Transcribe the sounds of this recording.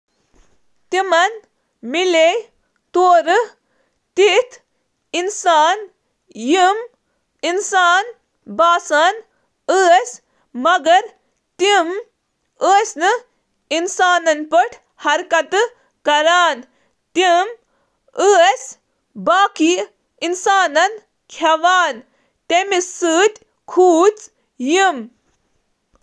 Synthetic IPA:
t̪imɐn | mile | t̪oːɾɨ | t̪it̪ʰ | insaːn | jim | insaːn | baːsaːn | əːs | mɐɡɐɾ | t̪im | əːsnɨ | insaːnɐnpɐʈʰ | hɐɾkɐt̪ | kɐɾaːn | t̪im | əːs | baːki | insaːnɐn | kʰɐʋaːn | t̪emisɨːt̪ʲ | kʰuːt͡s | jim

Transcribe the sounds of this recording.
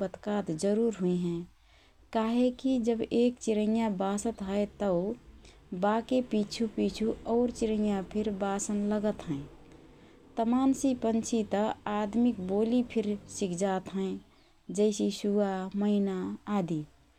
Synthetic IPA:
pət̪kaːt̪d͡ʒəɾuːɾɦuiɦɛ̃ | kaːɦekid͡ʒəbeːkt͡ʃɪɾəjabasət̪ɦəet̪əʊ | baːkepit͡ʃʰupit͡ʃʰuɔːɾt͡ʃiɾə̃japʰɪɾbaːsənləɡət̪ɦɛ̃ | t̪əmaːnsipənt͡ʃʰit̪əaːd̪mikboːlipʰɪɾsikʰd͡ʒaːt̪ɦɛ̃ | d͡ʒəɪsisuaməɪnaaːd̪i

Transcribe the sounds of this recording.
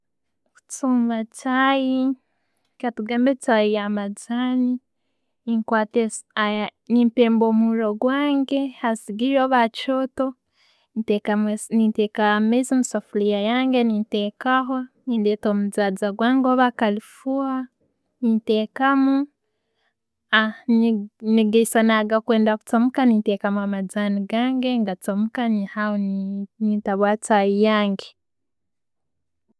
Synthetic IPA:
kut͡suːmbat͡ʃaji | katuɡaːmbet͡ʃaijamad͡zani | iŋkwateanimpeːmboːmuɾoɡwaːŋɡehasiɡiɾoβat͡ʃoto | tekanitekamezimusafulijajaːŋɡenintekaɦoniːndeːtomud͡zaːd͡zaɡwaːŋɡoːβakalifua | niteːkamu | anniɡeisanaɡakweːndaku̥t͡somukaniːtekamuamad͡zaniɡaːŋɡeŋɡat͡somukanihahonnitaβwaːt͡sajijaːŋɡe

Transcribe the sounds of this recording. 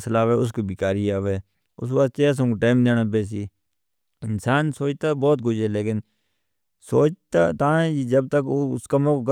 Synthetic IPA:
slaːʋeːʊs̬koːbikaːɾiːaːʋeː | ʊ̰sʋaːt̪eaːs̬ə̃kːʈaːmd̪eːnaːpeːs̬iː | ɪnsaːnsoːt͡ʃt̪aːbɔːt̪̚ɡʊd͡ʒɛːleːkɪn | soːt͡ʃt̪at̪ãːɛːiːd͡ʒəb̚t̪əkːskamõːkɡ

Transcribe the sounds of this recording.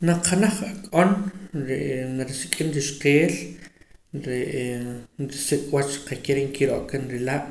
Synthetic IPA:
naqʰanaχakʼonɾeʔnaɾisikʼinɾiʃqeːl | ɾeʔnɾisikʼwat͡ʃɾiqakeɾeʔŋkiɾoʔkanɾilaʔ

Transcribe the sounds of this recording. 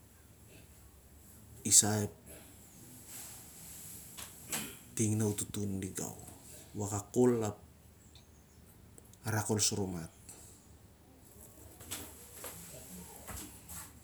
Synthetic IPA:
isaep̚ | tiŋnawtutundiɡa̰wwakakolap̚ | aɾako̞lsuɾomat̚

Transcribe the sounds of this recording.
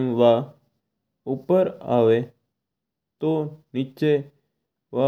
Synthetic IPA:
ʋa | upəɾa̰ʋe | t̪onie | ʋa

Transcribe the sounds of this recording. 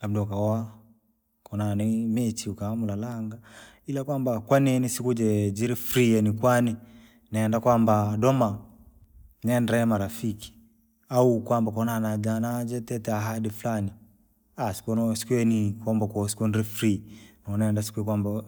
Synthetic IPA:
abdɔkaɔa | kɔnanimɛt͡ʃiukaamulalaŋɡa | ilakwambakwaninisikud͡ʒɛd͡ʒiɾifɾiɛnikwani | naɛndakwambadɔma | nɛnɾamaɾafiki̥ | aukwambakɔnaanad͡ʒanad͡ʒɛtɛtɛaɦadiflani | asi̥kɔnɔsi̥kwɛnikambakɔsi̥kunɾifɾinɔnɛndasi̥kuɛkwamba

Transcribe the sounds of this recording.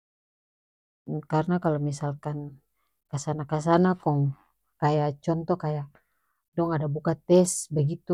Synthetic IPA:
karnakalomisalkan | kasanakas̬anakɔŋ | kajat͡ʃɔnt̪ɔkajaʔ | dɔŋadabukat̪ɛsbəɡit̪u

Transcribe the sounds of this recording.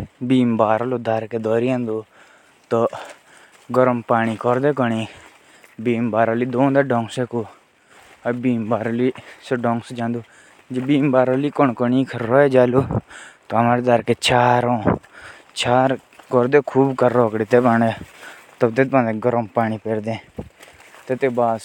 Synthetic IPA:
biːmbaːɾoloːd̪aɾkeːd̪ɔːɾiãːnd̪oː | t̪o | ɡɔɾəmpaːniːkɔɾd̪eːkɔɳiː | biːmbaːɾoliːd̪oːnd̪eːɖɔ̃ːŋkseːko | əbiːmbaːɾoliseɖɔːŋksd͡ʒãːnd̪uː | d͡ʒebiːmbaːɾaːliːkɔɳkɔnĩːkʰɾɾɔed͡ʒaːloːt̪oəmaːɾed̪aɾkeːt͡ʃaːɾõː | t͡ʃaːɾ | kɔɾd̪eːkʰuːbkəɾːɔːkɽet̪eːpaːneː | t̪ɔt̪et̪̚pãːnd̪eːɡɔɾəmpaːɳiːpeɾd̪ẽː | t̪et̪eːbaːs

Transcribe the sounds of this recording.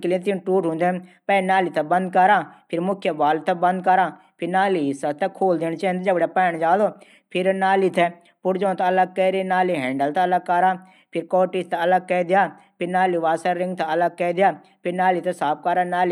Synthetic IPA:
kɪlĩt̪ɪnʈuːʈɦʊ̃nd̪ẽːpɛːnaːliːt̪abə̃nd̪̚kəɾaːpʰɪɾmʊkʰjəbaːlt̪aːbə̃nd̪kəɾaː | pʰɪɾnaːliːɪsət̪ɛ̃ːkʰoːld̪eːñt͡ʃaːĩnd̪ed͡ʒəbɽaːpɛːɳ̃d͡ʒaːloː | pʰɪɾnaːliːt̪ʰɛː | pʊɾd͡ʒõːt̪ãələɡ̚kɛːɾenaːliːɦɛ̃ːɳɖəlt̪aːələɡ̚kəɾaː | pʰɪɾkɔːʈist̪aələɡ̚kɛːd̪ɪjaː | pʰɪɾnaːliːʋaːsəɾɾɪŋɡt̪ãələɡ̚kɛːd̪ɪjaː | pʰɪɾnaːliːt̪ɛsaːp̚ʰkəɾaːnaːli

